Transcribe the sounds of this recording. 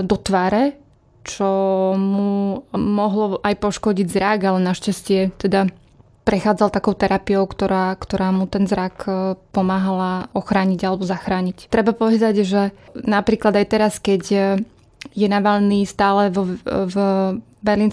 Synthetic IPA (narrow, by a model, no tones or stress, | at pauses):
d̪ɔt̪ʋaːɾɛ | t͡ʃɔmumɔɦlɔʔajpɔʃkɔɟiɟzɾaɡalɛnaʃcascɪɛt̪ɛd̪a | pɾɛxaːd͡zalt̪akɔʊt̪ɛɾapiɔʊkt̪ɔɾaːkt̪ɔɾaːmut̪ɛnzɾakpɔmaːɦalaɔxɾaːɲiɟalɛbɔzaxɾaːɲict̪ɾɛbapɔʋɛd̪aɟʒɛnapɾiːklad̪ajt̪ɛɾaskɛɟ | jɛnaʋaʎniːst̪aːlɛvɔv | bɛɾliːns